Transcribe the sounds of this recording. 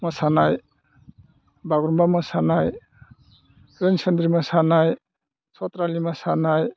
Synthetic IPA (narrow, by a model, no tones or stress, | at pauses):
mɔsanaj | baɡɾumbamɔsanaj | ɾensʰend̪ɾimasanaj | sɔt̪ɾalimasanaj